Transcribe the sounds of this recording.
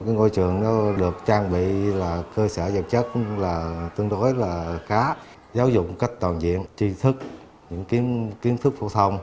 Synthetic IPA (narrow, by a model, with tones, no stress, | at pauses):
kaː˨˦jŋo̰˧˨jt͡ɕɨ˨˩əŋnɔ˨˦ɗɨ˨˩ək̚t͡ɕaː˧ŋɓḭ˧˨laː˨˩kəː˧səː˧˩zə˨˩p̚t͡ɕə˦˥t̚laː˨˩t̪wɨ˧əŋɗo˨˦jlaː˨˩xaː˨˦ | zaː˨˦wzʊ̰˧˨k͡pŋ͡mka˦˥jk̟̚t̪waː˨˩nzḭ˧˨ənt͡ɕi˧t̪ʰɨ˦˥k̚ | ɲɨ̰˧˥ŋki˨˦əmki˨˦əmt̪ʰɨ˦˥k̚fo̰˧˩t̪ʰə˧wŋ͡m